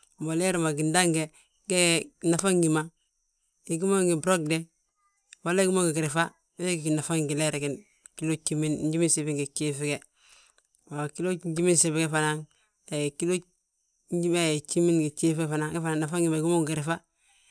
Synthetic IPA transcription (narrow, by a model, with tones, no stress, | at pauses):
bo˨le˦ɾe˨ma˨ɡi˨nda˦ŋɡe˨ | ɡe˦˨na˨fa˦ŋɡi˨ma˨ | i˨ɡi˦mo˦ŋɡi˨bɾo˦ɡ̚de˦ | bo˨˦le˦ɡi˦mo˦ŋɡi˨ɡi˨ɾi˨fa˦ | we˦ɡi˨ɡi˨na˨fa˦ŋɡi˨le˦ɾe˨ɡi˨n | ki˦lo˦t͡ʃi˦mi˦n˦ɟi˦mi˦nsi˨bi˦ŋɡe˨t͡ʃe˦fi˦ɡe˦ | ma˨ki˦lo˦d͡ʒi˦mi˦nse˨bɡe˦fa˨na˦ŋ | te˨ki˦lo˦ | ɟi˦me˦˨t͡ʃi˦mi˦nɡe˨t͡ʃe˦fe˦fa˨na˦ŋɡe˦fa˨na˨na˨fa˦ŋɡi˨ma˨ɡu˦mo˦ɡɡi˨ɾi˨fa˦